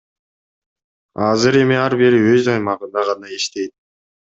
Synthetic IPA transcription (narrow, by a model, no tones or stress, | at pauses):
ɑzɨɾe̞miɑɾbiɾiøzɑjmɑʁɯnd̪ɑʁɑnɑiʃt̪e̞jt̪̚